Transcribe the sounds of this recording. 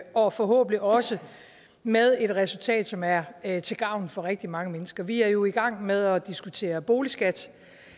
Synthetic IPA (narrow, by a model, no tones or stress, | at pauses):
ɒ̽fɒ̽ɦɔ̰̽ːb̥n̩iɒ̽sə | með̞ˠe̝d̥ʁɛsult͡sʰɛ̰ːd̥sɒ̽mæɐt͡sʰe̝lɡ̥ɑ̈ʊ̰n̩fɒ̽ʁeɡ̥̚d̥imɑ̈ŋəmenəsɡ̥ɐʋiæɐjo̝iɡ̥ɑ̈ŋ̰með̞ˠɒ̽d̥isɡ̥ut͡sʰe̝̰ːɐb̥o̝ːlisɡ̥æd̥